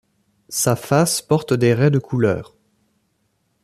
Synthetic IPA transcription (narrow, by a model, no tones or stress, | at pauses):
safaspɔʁt̪d̪eʁɛd̪əkʰulœ̰ːʁ